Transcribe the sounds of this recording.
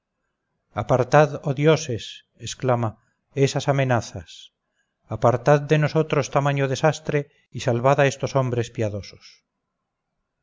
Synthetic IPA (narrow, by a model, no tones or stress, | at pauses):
apaɾt̪aðoðjoses | esklama | esasamenaθas | apaɾt̪aðd̪enosot̪ɾost̪amãɲoðesast̪ɾe | isalβaðaest̪osõmbɾespiaðoso̥s